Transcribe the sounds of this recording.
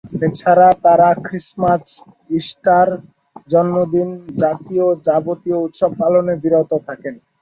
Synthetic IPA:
et͡ɕʰaɾat̪aɾakɾismas | iʃʈaɾ | d͡ʑɔnmod̪ind͡ʑat̪iod͡ʑabot̪iout̪ʃob̚palonebiɾot̪ot̪ʰaken

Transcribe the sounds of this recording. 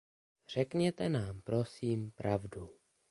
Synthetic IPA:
r̝̥ɛkɲɛt̪ɛnaːmpɾo̞siːmpɾʔavdu

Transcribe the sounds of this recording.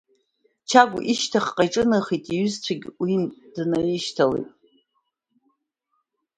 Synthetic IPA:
t͡ʃʰaɡ̰ʷʔiʃtʰaχqʼajʈ͡ʂʼɨnɨχitʼiɥʏzt͡ɕʷʰaɡʲwindnaiʃtʰalḛjtʼ

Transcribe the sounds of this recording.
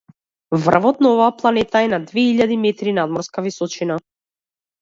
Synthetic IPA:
vr̩vɔt̪naɔvaːplˠanɛt̪aɛnad̪vɛiʎːad̪imɛt̪ɾinad̪mɔɾskavisɔt͡ʃina

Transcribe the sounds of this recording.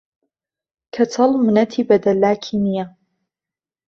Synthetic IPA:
kʰɐt͡sʰɐlmɨnɐt̪ʰiːbɐd̪ɐlːaːkʰinija

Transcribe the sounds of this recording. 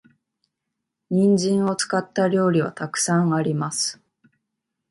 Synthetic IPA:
ɲ̟ĩɲd͡ʑĩɰ̃o̞t͡sɨ̥kat̪ːaɾʲo̞ːɾʲiβa̰t̪akɯ̟̥sãɰ̃aɾʲimasɨ̥

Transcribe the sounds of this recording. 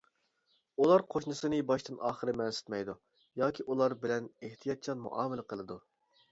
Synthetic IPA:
ulˠɑɾqʰoʃnɨsɨnɨbɑʃt̪ɨnɑːχəɾɨmɛnsɪ̥t̪mɛjd̪u | jɑːkʲʰiʔulˠɑɾbɪlɛneht̪ʰijɑt̪̚t͡ʃʰɑnmṵʔɑ̰ːmɪlɪqʰəlˠɨd̪u

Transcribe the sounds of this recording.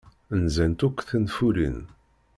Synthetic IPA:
nzænt̪ukʷːθənfuɾḭn

